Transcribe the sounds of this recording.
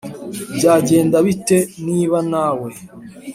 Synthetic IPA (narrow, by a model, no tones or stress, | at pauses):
bɟaːɟe̞ːndaβiteniːβanaːwe